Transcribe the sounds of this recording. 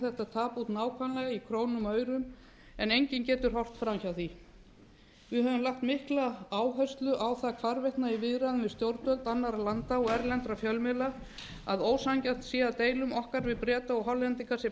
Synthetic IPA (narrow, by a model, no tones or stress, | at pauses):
θɛht̪at̪ʰaːput̪naːwkʰanlɛɣaikʰɾoːwnʏmœːɥɾʏm | ɛnejɲcɪncɛːt̪ʏɾ̥hɦɔr̥t̪fɾamçawθi | vɪɦɛvʏmlahkt̪mɪhklaaːwɦœɥst̪lʏʔawθakʰvaɾvɛjht̪naivɪðɾaðʏnvɪðst̪jowɾt̪œlt̪anːaɾalant̪aɔɣɛɾlɛnt̪ɾafjœlmɛla | aðoːwsaŋcan̥t̪siːat̪eːjlʏmɔhkaɾvɪðpɾɛːt̪aɔɣɦɔlɛnt̪ikʰasɛ